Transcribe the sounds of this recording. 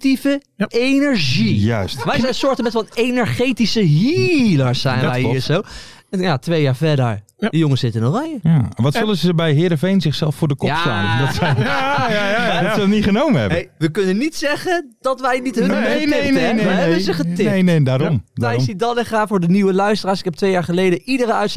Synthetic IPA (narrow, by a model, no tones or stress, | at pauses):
tivə | ejnəɹʒijœstʋɛjsɛnsʊːɹtəmbɛtʋɔlejnəɹχejtisəɦiləɹsɛjnʋɛjinsow | ɛjatʋejaːɹfɛdəɹ | dəjoŋəsɪtəɪnorajəjaʋɑtsøləzəbɛjɦɪːdəvejnzɪχsɛlˠffʊːɹdəkɔsa̰ndɔtsɛ | dɔtsəɔtniχənowməɛ̰bnejʋəkɵnənitsɛχənd̥ɑtʋɛjnitɦəneeɦɛbənzəχətɪenedaːɾɔmɛjidɔnɛχaːfʊːɹdəniwəlœɥstəraːɹsɪ̥kɛp̚tʋejaːɹχəlejdəʔidəɾəœɥts